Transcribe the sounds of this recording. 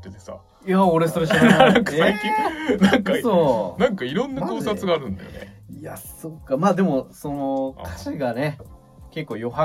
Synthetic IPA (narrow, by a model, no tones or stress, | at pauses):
t̪ːet̪esa̰ | jaoɾe̞so̞ɾeɕĩŋkaseaikʲĩnãŋkasoːnãŋkaiɾõ̞nːak̪oːsat͡sɨɡaːɾɯ̟̃nd̪ajonḛijasokːamaːd̪e̞mo̞so̞no̞kʰḁɕiɡane̞ | ke̞kːo̞ːjo̞ɦa